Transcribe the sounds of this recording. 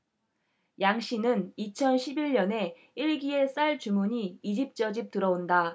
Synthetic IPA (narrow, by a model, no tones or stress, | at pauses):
jaŋɕ͈inɯnit͡ɕʰʌnɕʰibiɭɲʌne̞ | iɭɡie̞s͈aɭt͡ɕumuɲiːid͡ʑip̚t͡ɕ͈ʌd͡ʑip̚t͈ɯɾʌonda